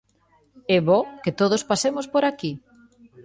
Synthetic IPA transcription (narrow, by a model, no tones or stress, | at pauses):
ɛβoket̪oð̞ospasemospoɾaki